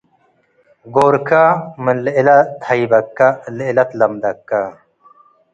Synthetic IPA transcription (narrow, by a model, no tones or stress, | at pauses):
ɡoːɾkamənlilɐt̪ʰɐjbɐkːalilɐt̪lɐmd̪ɐkːa